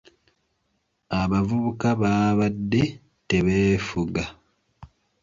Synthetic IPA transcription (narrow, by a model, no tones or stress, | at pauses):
aβavuβukaβaːβadːe̞ | te̞βeːfuɡa